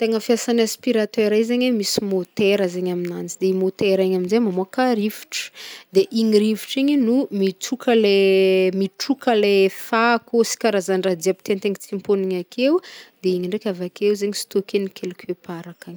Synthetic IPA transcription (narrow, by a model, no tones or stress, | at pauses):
t̪eŋəfjasanaspiɾat̪ɛɾaizeɲwemisimot̪eɾəzeɲaminant͡sid̪emot̪eɾaɲaminzemamoakaɾivi̥ʈ͡ʂə̥d̪eʔiɲiɾiviʈ͡ʂiɲinumit͡sukʰəlemiʈ͡ʂukəlefakosi̥kʲaɾazaɳɖ͡ʐad̪iapi̥t̪ent̪eŋit͡simponiɲakʰewd̪eiɲiɳɖ͡ʐekʲavakewzeɲisi̥t̪okenikʲʰelukʲepaɾakaɲi̥